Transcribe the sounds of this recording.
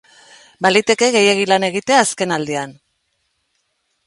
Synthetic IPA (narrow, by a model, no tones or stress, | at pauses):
balit̪e̞ke̞ɣe̞je̞ɣ̞ilane̞ɣ̞it̪e̞aːske̞nald̪ean